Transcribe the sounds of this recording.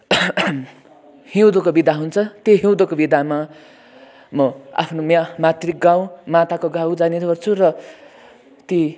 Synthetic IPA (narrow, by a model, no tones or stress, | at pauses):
hiwd̪okobid̪aɦunt͡sʰʌt̪jeɦĩw̃d̪okobid̪ama | mʌa̰pʰnomamat̪rik̚ɡaw̃mãt̪akoɡawd͡zaneɾʌrt͡sʰurʌ | t̪i